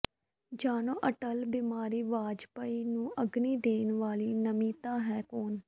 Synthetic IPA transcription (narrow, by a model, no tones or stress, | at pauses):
d͡ʒaːnõːʔəʈəlbɪmaːɾiːʋaːd͡ʒpəiːnũːʔəɡniːd̪eːnʋaːliːnəmĩːt̪ãːɦɛːkoːn